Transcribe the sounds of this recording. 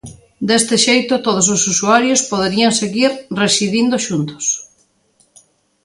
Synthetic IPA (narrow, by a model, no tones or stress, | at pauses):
d̪est̪ɪʃejt̪ʊt̪oð̞os̬osusuaɾjospoðeɾiaŋseɣiɾresiðind̪oʃunt̪ʊ̥s